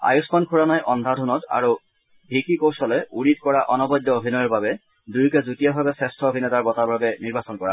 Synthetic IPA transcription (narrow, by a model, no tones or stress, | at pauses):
a̰juskɔnkʰuɹanajʔɔndʱadʱunɔta̰ɹu | bʱikikowsɔlɛuɹit̚kɔɹaʔɔnɔbɔdːɔobʱinɔjɔɹbabɛ | dujkɛzutijabʱabɛsɛstʰɔobʱinɛtaɹbɔtabʱabɛniɹbasɔnkɔɹa̰